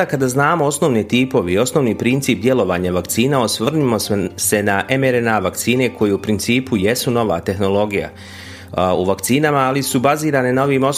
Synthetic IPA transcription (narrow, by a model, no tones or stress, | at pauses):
akad̪aːznaːmo̞o̞sno̞ʋnit̪iːpo̞ʋeio̞sno̞ːʋniːpɾint̪siːp̚d̪je̞lo̞ʋaːɲaʋakt̪siːnaosʋrnimo̞se̞naʔe̞meɾenaːʋakt̪siːne̞kʰo̞jeupɾint̪siːpʰuje̞suno̞ʋa̰ːt̪e̞xno̞lˠo̞ɡija̰ | uʋakt̪siːnamaːlisubaziːɾaːne̞nao̞ʋimo̞s